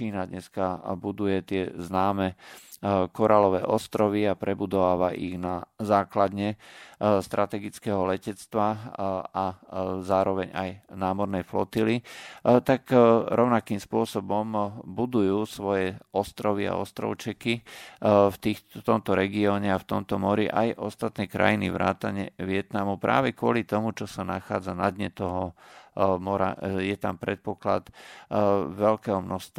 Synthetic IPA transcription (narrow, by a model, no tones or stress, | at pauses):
t͡ʃiːnad̪ɲɛskabud̪ujɛt̪ɪɛznaːmɛ | kɔɾalɔʋɛːʔɔst̪ɾɔʋiapɾɛbud̪ɔʋaːʋaʔḭɣnazaːklad̪ɲɛ | st̪ɾat̪ɛɡit͡skɛɦɔlɛcɛt͡st̪ʋaazaːɾɔʋɛɲa̰jnaːmɔɾnɛjflɔ̰t̪ilit̪akɾɔʊnakiːmspʊɔsɔbɔmbud̪ujuːsʋɔjɛɔst̪ɾɔʋia̰ɔst̪ɾɔ̰ʊt͡ʃɛki | ft̪iːt̪ɔmt̪ɔɾɛɡiɔːɲɛaft̪ɔmt̪ɔmɔɾiʔajʔɔst̪at̪nɛːkɾa̰jinḭʋɾa̰ːt̪aɲɛʋɪɛt̪namupɾa̰ːʋɛkʊɔlit̪ɔmut͡ʃɔsanaxaːd͡zanad̪ɲɛt̪ɔɦɔ | mɔɾa̰jɛt̪ampɾɛt̪̚pɔkla̰t̪ | ʋɛʎkɛːɦɔmnɔxst̪